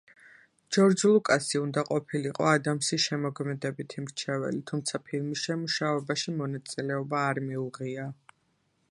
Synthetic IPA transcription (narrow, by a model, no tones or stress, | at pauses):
d͡ʒɔɾd͡ʒlˠukʼasiund̪aqʼɔpʰiliqʼɔ̰ad̪amsiʃɛmɔɡmɛd̪ɛbit̪ʰimɾt͡ʃʰɛvɛ̰lit̪ʰumt̪sʰapʰilˠmisʃɛmuʃavɛbaʃimɔnat̪sʼilɛɔbaːɾmiuʁia